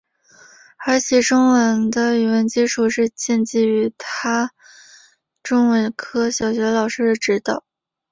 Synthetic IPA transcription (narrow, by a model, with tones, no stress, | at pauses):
ə˞˧˥ɕʰjɛ˨˩ʈ͡ʂʊ˥ŋwə˧˥nd̪ə˧y˨˩wə˧˥nt͡ɕi˥ʈ͡ʂʰu˨˩ʂɻ̩˥˧t͡ɕjɛ˥˧nt͡ɕi˥˩y˧˥t̪ʰa˥ | ʈ͡ʂʊ˥ŋwə˧˥nkʰɤ˥ɕjɑ˨˩ʊɕɥɛ˧˥lɑ˨˩ʊʂɻ̩˥d̪ə˨ʈ͡ʂɻ̩˧˥t̪ɑ˨˩˦ʊ